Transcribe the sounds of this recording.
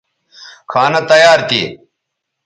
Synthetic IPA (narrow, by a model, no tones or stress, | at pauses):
kʰaːnɐt̪ɐjaːɾt̪ḭː